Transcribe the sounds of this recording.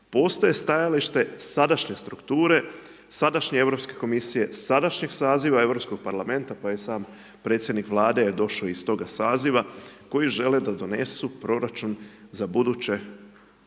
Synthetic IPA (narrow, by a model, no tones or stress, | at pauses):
po̞ːst̪oje̞st̪ajaliʃt̪e̞sad̪aʃɲe̞st̪ɾukt̪uːɾe̞ | sad̪aʃɲee̞vɾo̞pske̞ko̞misije̞sad̪aʃɲe̞ɡsaːziʋae̞ʋɾo̞psko̞ɡ̥̚paɾlame̞nt̪apajesaːm | pɾe̞t̪sje̞d̪nikʋlˠaːd̪e̞jed̪o̞ʃaist̪o̞ɡasaːziʋako̞jiʒe̞le̞d̪ad̪o̞ne̞supɾo̞ɾat͡ʃunzabud̪ut͡ɕe̞